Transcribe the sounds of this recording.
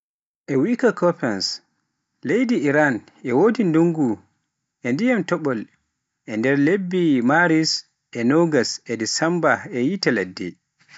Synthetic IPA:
ʔɛwikakʰɔpɛns | lejdiiɾan | ʔɛwoːdinduŋɡu | ʔɛndijamtɔɓɔl | ʔɛndɛɾlebːimaɾis | ʔɛnɔɡasɛdisɛmbaɛjitaladːɛ̰

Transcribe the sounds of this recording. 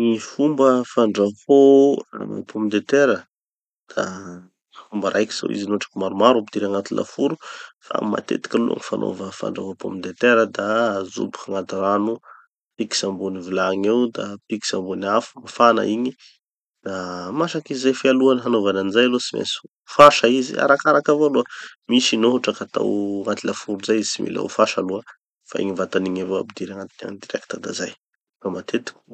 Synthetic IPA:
nifumbəfaɳɖ͡ʐahoa̰pʰomind̪et̪eɾə | d̪̥a | fumbəɾʔajki̥z̥a̰wḭzinoʈ͡ʂḁkimaɾumaɾupid̪iɾaŋat̪ulʔa̰fuɾufa̰ma̰t̪ḛt̪i̥kʲalṵʔa̰ŋifanʔo̰vəfa̰ɳɖ͡ʐavopomid̪et̪eɾəd̪azṵbi̥kaŋat̪iranu | piki̥sambunivilaŋewd̪apiki̥sambunafu̥mafana̰iɲi | d̪amaʃakizizajfialuanɦanovananizajalosimḛs | faʃaizḭa̰ɾakaɾakavaloəmisinoɦuʈ͡ʂakat̪a̰wŋat̪ilafuɾuzajizisḭmḭla̰ṵfaʃaluə | fa̰ḭɲivat̪aniɲavoa̰bid̪iɾaŋat̪ina̰nd̪iɾɛkt̪əd̪a̰zaj | famat̪ʰet̪i̥kʲu̥

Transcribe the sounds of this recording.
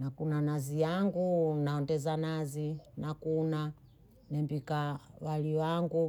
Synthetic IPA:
nakunanazijaŋɡunaɔndɛzanazinakuna | nɛmbikawaliwaŋɡu

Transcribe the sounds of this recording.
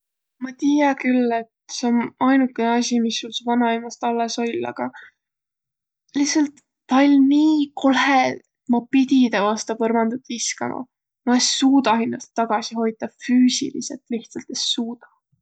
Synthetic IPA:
mɑt̪iːjɑkylːe̞t̪se̞onɑjnukˑːeneɑsʲimisːulsvɑnɑimɑst̪ɑlːeso̞lʲɑ̰ɡ̥ɑ | lihsɑlt̪ː | ɑlʲniːkʰo̞lɦeemɑpit̪ʲid̪̥ɑvɑst̪ɑpɤrmɑnd̪̥ɑt̪ːiskɑ̰mʔɑ̰ | mɑesuːd̪ɑhinːɑst̪ːɑɡ̥ɑsiho̞jd̪̥ɑfyːsḭlḭse̞lt̪ˑliht̪sɑlt̪esuːd̪̥ɑ

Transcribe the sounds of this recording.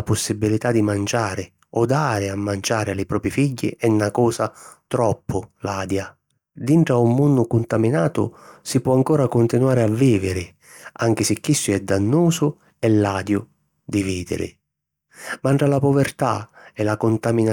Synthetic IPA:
apʊsːibilit̪ad̪ːimand͡ʒaːɾɪ | ɔd̪aːɾɪamːand͡ʒaːɾɪalːɪpɾɔːpɾifiɟːɪ̰ʔɛnːakɔːsat̪ɾɔpːʊlaːd̪ja | d̪iɳʈɾaumːunːʊkʊnt̪aminaːt̪ʊ̰sipwɔaŋkɔːɾakʊnt̪inwaːɾɪavːiːvɪɾɪ | aŋk̟ɪsɪkːisːʊɛd̪anːuːsʊ | ɛlːaːd̪jʊ | d̪iviːd̪ɪ̰ɾɪ̰ | maɳʈɾalapʊvɛrt̪a̰ɛlakʊnt̪amina

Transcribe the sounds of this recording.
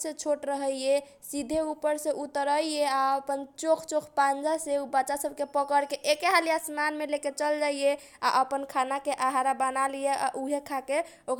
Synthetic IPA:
sẽt͡ʃʰoʈɾəɦəe | sid̪ʱeupəɾsẽʔut̪əɾəeaəpənt͡ʃokʰt͡ʃokʰpand͡ʒaseubəːt͡ʃasəbʱkepəkəɾkeʔekeɦalijasmanmeleket͡ʃəld͡ʒaije | a̰ʔəpənkʰanakeʔaɦaɾabənalijeʔa̰ʔuɦekʰake | ok

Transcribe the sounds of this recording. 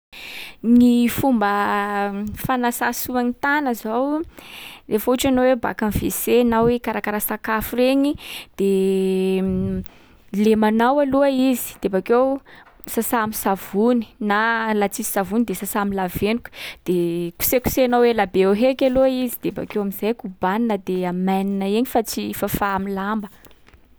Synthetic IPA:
nifumbə | fanasasuanit̪anəzow | refuʈ͡ʂanoweba̰kamvḛsenawekaɾakaɾasakafuɾeɲid̪̥e | lemanawaluaizi̥d̪̥ebakewsasamisavuni̥nalat͡sizi̥savunid̪esasaːmilavenukʲə̥d̪̥eku̥seku̥seanawelabeoɦekʲaluaizid̪̥eba̰kewamizajkubaninad̪eamajninaeɲifat͡sifafaːmilambə

